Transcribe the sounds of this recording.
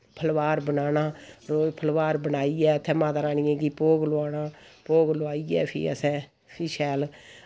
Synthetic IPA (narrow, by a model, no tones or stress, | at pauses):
pʰəlʋaːɾbənaːnaːɾoːpʰəlʋaːɾbənaːiːɛːət̪ʰːɛ̃ːmãːt̪aːɾaːniːẽːɡiːpoːɡloaːnaːpoːɡloaːiːɛ̰ːpʰḭːə̰sɛ̃ː | pʰiːʃɛːl